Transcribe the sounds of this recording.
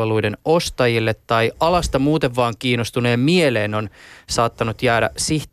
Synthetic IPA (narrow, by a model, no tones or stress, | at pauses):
elujdeno̞st̪ɑjilːet̪ːɑijɑlɑst̪ɑmuːt̪eʋʋɑːŋkiːnost̪uneːmmieleːno̞nsɑːt̪ːɑnut̪jæːɾæ̰siht̪